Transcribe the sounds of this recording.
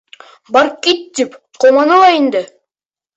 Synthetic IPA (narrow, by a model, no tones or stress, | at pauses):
bɑɾ̚kit̪ːip | qomɑnolˠɑjind̪ə